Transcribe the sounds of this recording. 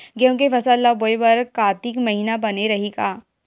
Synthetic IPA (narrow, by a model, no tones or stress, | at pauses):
kõːŋkefɐsalːaboːebɐɾkaːt̪ɪkmɐɦiːnabɐneɾɐɦikaː